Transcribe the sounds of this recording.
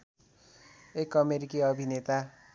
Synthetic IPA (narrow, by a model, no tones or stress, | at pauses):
ekʌmeɾikiʌbʱinet̪a